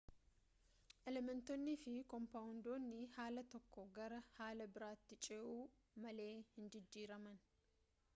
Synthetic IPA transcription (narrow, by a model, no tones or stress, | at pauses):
ʔɛlɛmɛnt̪ɔnːɪfɪkɔmpaːʊnd̪oːnːɪhaːlɐt̪ɔkːɔɡɐɾɐhaːlɐbɪɾaːt̪ːɪt͡ʃʼeːʔuː | mɐle̞ːhɪnd͡ʒɪd͡ʒːiːɾɐmɐn